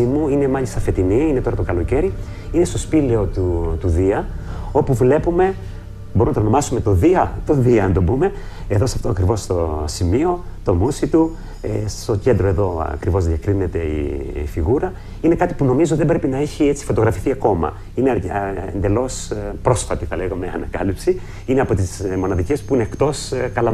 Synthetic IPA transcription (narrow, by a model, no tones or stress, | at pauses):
imuine̞mɐʎist̪ɐfe̞t̪iniine̞t̪o̞ɾɐt̪okɐlo̞ce̞ɾi | ine̞st̪o̞spile̞o̞t̪ut̪uðiɐo̞puvle̞pume̞ | boɾumnɐt̪onomɐsumet̪o̞ðiɐt̪o̞ðiɐɐnd̪o̞bume̞ | e̞ðo̞sɐft̪o̞ɐkɾivo̞st̪osimio̞t̪o̞musit̪u | est̪o̞ce̞nd̪ɾo̞e̞ðo̞ɐ̰kɾivo̞zðjɐkɾine̞t̪e̞ḭfiɣuɾɐ | ine̞kɐt̪i̥puno̞mizot̪iðebɾepinɐeçie̞t͡si̥fo̞t̪o̞ɣɾɐfi̥θiɐko̞mɐ̰ | ineḛnd̪e̞lo̞spɾo̞sfɐt̪iθɐle̞ɣɐmeɐ̰nɐkɐlipsi | ineɐpo̞t̪izmo̞nɐðice̞spuine̞ːkt̪o̞skɐlɐ